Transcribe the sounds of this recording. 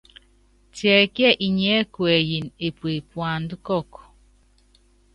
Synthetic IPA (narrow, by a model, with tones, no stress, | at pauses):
tjɛ˨kjɛ˦ʔi˨ɲɛ˦kwɛ˨ji˨ne˨pwe˨pwa˨n˦du˦kɔ˦˨k